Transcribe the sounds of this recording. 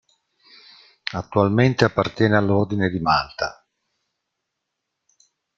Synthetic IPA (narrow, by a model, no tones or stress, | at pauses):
at̪ːualment̪eapːart̪jɛːnealːord̪ined̪imalt̪a